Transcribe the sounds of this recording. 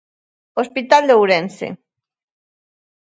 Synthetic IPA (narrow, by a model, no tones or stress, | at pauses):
ospit̪ald̪owɾensḛ